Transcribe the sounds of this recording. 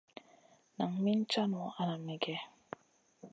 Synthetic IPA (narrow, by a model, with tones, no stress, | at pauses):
na˨ŋmi˦n̩˦t͡ʃa˦nu˨a˦na˨mi˨ɡɛ˦